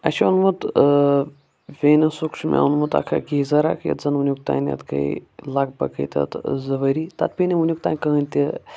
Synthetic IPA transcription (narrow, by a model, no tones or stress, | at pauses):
ɐ̰ʃɐnmɐt̪ | ʋʲenɐsukʂʰmʲa̰unmɐt̪a̰kʰaɡʲezɐɾa̰kʰjɐ̰t̪zɐnunʲjuk̚t̪a̰ːnʲɐ̰t̪kɐ̰ilak̚bɐkɐ̰t̪ʲɐ̰t̪zɐʋɐɾit̪at̪̚pʲinʲɐunʲjuk̚t̪aːnʲkənʲt̪ʲi